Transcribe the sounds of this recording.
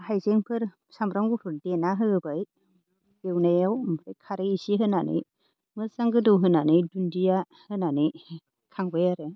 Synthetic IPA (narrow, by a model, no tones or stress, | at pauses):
hajzeŋpʰɯɾ | samɾaŋɡupʰɯɾdenaɦɯɯbaj | ɡ̥ewnajawajkʰaɾeisiɦɯnanɯ̰j | mɯsaŋɡɯdɯwɦɯnanɯjdundija | hɯnanɯj | kʰaŋbajaɾɯ